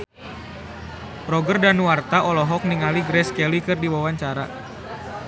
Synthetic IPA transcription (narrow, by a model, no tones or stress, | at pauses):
pɾɔɡərdanuwart̪aʔɔlɔɦɔk̚niŋaliɡɾɛskɛlikɨrdiwawaɲt͡ʃaɾa